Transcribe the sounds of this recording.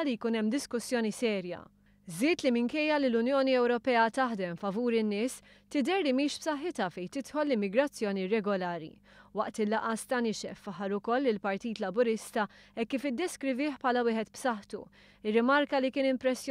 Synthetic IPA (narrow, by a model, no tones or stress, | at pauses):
lijkuːnɛmːd̪ɪskʊsjɔːnisɛːɾjɐ̰ | zɪːt̪limɪŋkɛjːɐlilʊnjɔːniɛwɾɔpɛːɐt̪ɐħd̪ɛmfɐvuːɾɪnːɪːs | t̪ɪd̪ɛɾlimiːʃpsɐħːɪt̪ɐfɛjt̪ɪt̪ħɔlːɪmːɪɡɾɐt͡sːjɔːniɾɛɡɔlɐːɾḭ | wɐʔt̪ɪlːɐʔɐst̪ɐnɪʃɛ̰fːɐħːɐɾʊkɔlːɪlpɐɾt̪iːt̪lɐbʊɾɪst̪ɐɛkːiːfɪd̪ːɛskɾɪvɪːħpħɐːlɐwɪːhɛt̪bsɐħt̪ṵ | ɪrːɪmɐɾkɐlikɪːnɪmpɾɛsːj